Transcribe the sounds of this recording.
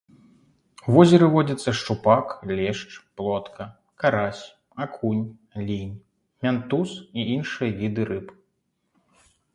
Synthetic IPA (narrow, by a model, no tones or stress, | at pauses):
wvɔzʲɛɾɨvɔd͡zʲɐt̪sːɐʂt͡ʂupaklʲɛʂt͡ʂplˠɔt̪kʰɐ | kaɾasʲ | akʰunʲ | lʲinʲ | mʲant̪usiinʂɨjɐvʲid̪ɨɾɨp